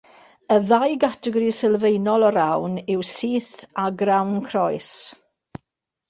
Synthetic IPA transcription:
əðajɡatʰəɡɔɾisɛlˠvejnɔlˠɔɾawnɪwsiːθaɡrawnkʰrɔjs

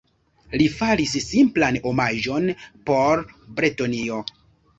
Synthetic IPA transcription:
lifaɾissimplanomaʒo̞npo̞ɾbɾetonio̞

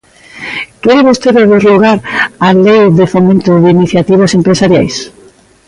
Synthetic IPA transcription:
keɾeβost̪eɾeβeɾluɣaɾalejðɪfomẽnt̪ʊðiniθjat̪iβ̞asempɾesaɾja̰js

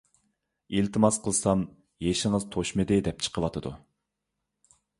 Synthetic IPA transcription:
ilt̪ʰɨmɑsqʰəlˠsɑm | jeʃɪŋəzt̪ʰoʃmɨd̪ɪd̪ɛp̚t͡ʃʰə̥qʰəwɑt̪ʰɨd̪ṵ

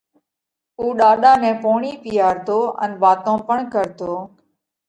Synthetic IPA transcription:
uːɗaːɗaːmɛ̃ːpoːɳiːpijaːɾt̪oːʔə̰nʋaːt̪õːpəɳkəɾt̪oː

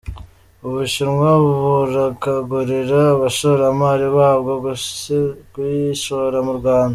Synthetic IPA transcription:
uβuʃiɾŋwaβuɾakaɡuɾiɾaːβaʃoɾamaːɾiβahβɡo | kuiʃoɾamuɾɡwaːnda

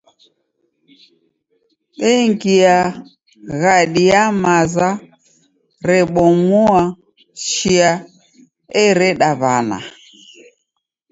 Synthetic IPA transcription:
ɓɛŋɡia | ɣaɗiamaza | ɾɛɓɔmua | ʃiia | ɛɾɛɗaβana̰

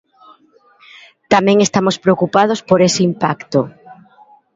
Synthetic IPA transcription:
t̪amẽŋest̪amospɾeokupað̞ospoɾesɪimpakt̪o

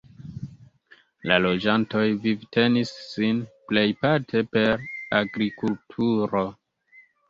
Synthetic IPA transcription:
lalo̞d͡ʒanto̞jvivtʰe̞nisːinple̞jpaɾtʰe̞pe̞ɾaɡɾikultʰuɾo̞

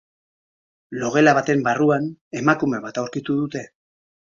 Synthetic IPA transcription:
lo̞ɣ̞e̞laβat̪e̞mbaruane̞makume̞β̞at̪awɾkit̪uðut̪e̞

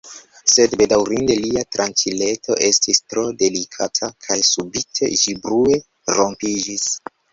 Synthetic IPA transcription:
se̞dbe̞dawɾinde̞liatɾʔant͡ʃile̞tʰo̞̰ʔe̞stʰistɾo̞de̞likʰatʰakʰajsubitʰe̞̰ʒibɾue̞ | ɾo̞mpid͡ʒis

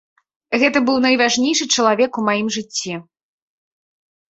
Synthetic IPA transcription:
ɣɛt̪ɐbɨwnɐjvaʐnʲejʂɨt͡ʂɐlˠavʲɛkumajimʐɨt͡sʲːi

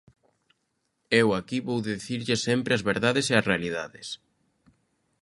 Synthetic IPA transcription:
ewakiβowðeðθiɾʎɪsempɾeɐzβeɾðaðeseɐsrealiðaðɪs

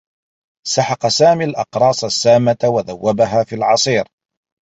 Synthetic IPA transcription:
saħɑqɑsaːmiːlʔɑqɾˤɑːsˤasːaːmawaðawːabaɦaːfiːlʕɑsˤiːɾ

